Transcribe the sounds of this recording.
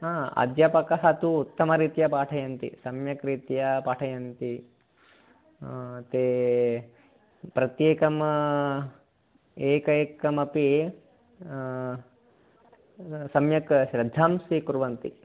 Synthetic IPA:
aːɐ̰d̪jɐpɐkɐɦɐt̪uːt̪ːɐmɐɾiːt̪jɐpaːʈʰɐjɐnt̪ḭsɐmjɐkɾiːt̪jɐpaːʈʰɐjɐnt̪i | t̪eː | pɾɐt̪jeːkɐm | eːkɐeːkɐmɐpi | sɐmjɐkʃɾɪd̪ʱːaːmsikuɾʋɐnt̪ḭ

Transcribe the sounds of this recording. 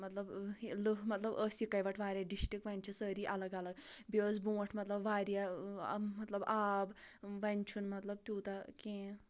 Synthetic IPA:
mɐt̪lɐblɨɦmɐt̪lɐbəːsikɐjʋɐʈʰʋaːɾʲjaɖisʈik̚ʋɐnʲt͡ʃʰusəːɾiːʔɐlɐɡɐlɐɡbikoːzbũːʈʰmɐt̪lɐbʋaːɾja | mɐt̪lɐbaːbʋɐnʲt͡ʃʰunmɐt̪lɐb̚t̪ʲjuːt̪ɐkẽː

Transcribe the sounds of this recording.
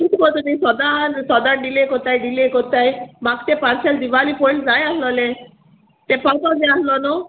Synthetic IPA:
it̪kɔt̪unisɔd̪ansɔd̪anɖilekɔt̪ajɖilekɔt̪ajmakt̪epaɾsɛld̪iʋalipoĩɳʈd͡zajaslɔle | t̪epat̪ɔd͡zeaslɔnɔ

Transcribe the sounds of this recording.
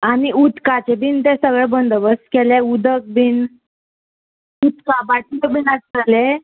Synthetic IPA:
aniut̪kat͡ɕebint̪ẽsəɡɭɛbənd̪ʱəbəskɛleud̪ʱək̚bin | ut̪kabaʈit͡səkbinaʈ̚əle

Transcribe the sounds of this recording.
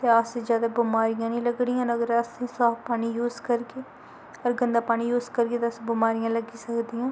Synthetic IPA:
t̪eːased͡ʒjaːd̪aːbʊmaːɾijãːnĩːləɡɽijãːləɡɾəsesaːfpaːniːjuːzkəɾkeː | əɾɡənd̪aːpaːñiːjuːzkəɾkeːt̪aəsbʊmaːɾijãːləɡiːsəkd̪ijãː

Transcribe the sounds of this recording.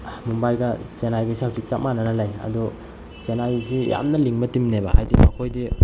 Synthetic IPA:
mumbajɡɐsenajɡasihawsik̚t͡ʃap̚manɐnɐlajɐ̰du | senajsija̰mnɐliŋmɐtimnebahajdimɐkʰojdi

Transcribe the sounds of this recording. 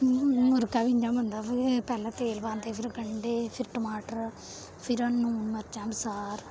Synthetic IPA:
oɾɨkɐʋiɲd͡ʒaːmʋɐnd̪aʋpɛlːɐt̪eːlʋaːnd̪eːfiɾɐkɐɳɖefiʈːmaːʈɐɾ | fiɾonːuunɐɾt͡ʃːaːmsaːɾ

